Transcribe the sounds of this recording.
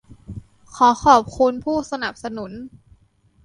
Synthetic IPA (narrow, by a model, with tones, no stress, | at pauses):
kʰɔː˩˦xʰɔː˨˩p̚kʰu˧npʰuː˥˩sa˧na˨˩p̚sa˧nu˩˦n